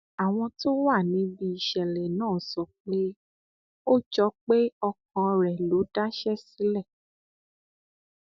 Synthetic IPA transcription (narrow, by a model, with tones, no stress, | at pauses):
a˨w̃ɔ̃˧to˦wa˦˨nĩ˨˦bi˧i˧˨ʃɛ˨lɛ˨nãː˦˨sɔ˨k͡pe˦ | o˦d͡ʒɔ˦k͡pe˦ɔ˧kɔ̃˧ɾɛ˨lo˨˦da˦ʃɛ˦si˦lɛ˦˨